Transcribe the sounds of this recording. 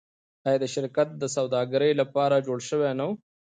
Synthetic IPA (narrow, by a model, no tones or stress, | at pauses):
ajad̪əʃɪɾkat̪̚d̪əsawd̪ɑːɡaɾəjlapɑːɾad͡ʒoːɽʃəwenaw